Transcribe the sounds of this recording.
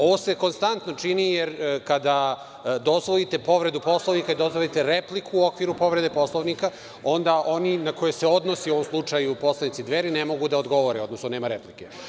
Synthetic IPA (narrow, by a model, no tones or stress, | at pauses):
o̞ʋoseko̞nst̪ant̪no̞t͡ʂinijeɾkad̪a | d̪o̞zʋolit̪e̞po̞ʋɾe̞d̪upo̞slˠoʋnikaid̪ozʋolit̪e̞ɾeplikuːokʋiɾupo̞ʋɾed̪epo̞slˠoʋnika | o̞nd̪aʔo̞ninako̞jese̞o̞d̪no̞sioʋomslˠut͡ʂajupo̞slˠanit̪sid̪ʋeɾinemo̞ɡud̪aod̪ɡo̞ʋo̞ɾeo̞d̪nosnoneːmaɾeplike